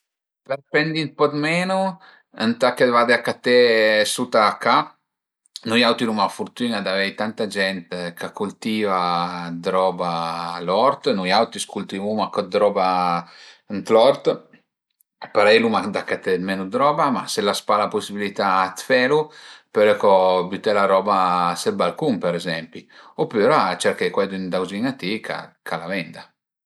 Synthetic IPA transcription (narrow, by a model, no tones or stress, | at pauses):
tlatpɛnd̪inpɔd̪mɛːnu | ənt̪akːevad̪eakːat̪ɛsut̪aka | nujawt̪ilumafuɾt̪unad̪avɛjt̪ant̪ad͡ʒɛnt̪kakːult̪iːvad̪ɾɔbalɔɾt̪nujawt̪iskult̪ivumakɔd̪ɾɔba | nt̪lɔrt̪ | paɾɛjlumad̪akːat̪mɛːnud̪ɾɔːbama̰selaspalaposːibilit̪aːt̪fɛːɾuplɛkːɔbut̪ɛlaɾɔːbaselbalkumpɛɾɛzɛmpiopːuːɾat͡ʃɛɾkɛjkwɛd̪uind̪awziŋat̪ikʰa̰kʰalavɛnd̪a